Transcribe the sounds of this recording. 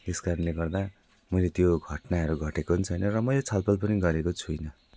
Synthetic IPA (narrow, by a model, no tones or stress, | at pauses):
t̪eskaɾʌnleɡʌrd̪a | mʌjlet̪joɡʱʌʈnaɦʌɾuɡʱʌʈekoɦunt͡sʰʌjnʌrʌmʌjlet͡sʰʌlpʌlpʌniɡʌɾekot͡sʰujnʌ